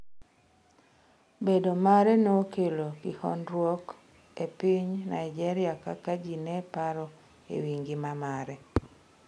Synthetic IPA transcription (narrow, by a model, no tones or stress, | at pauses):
bedomaɾɛnokelokihɔ̰ndɾwɔk | epiɲnajd͡ʒɛɾɪakakad͡ʒinɛpaɾɔ | ḛwiŋɡɪmamaɾɛ